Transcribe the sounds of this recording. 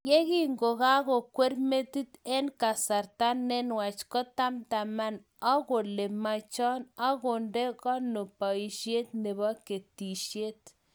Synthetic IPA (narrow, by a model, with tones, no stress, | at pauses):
je˦ɣi˦ŋɡo˨ɣa˦ɣo˨kʷe˦ɾme˦t̪i˦t̪e˦nka˨sa˨ɾt̪a˦nːe˦nwa˨t͡ʃko˦t̪a˦mt̪a˨ma˦n | a˦ɡo˨le˨ma˨t͡ʃɔ˦na˦ɡo˨nde˦ɡa˦no˨pa˨i˨ʃje˦t̪ne˨ba˦ke˨t̪i˨ʃje˦t̪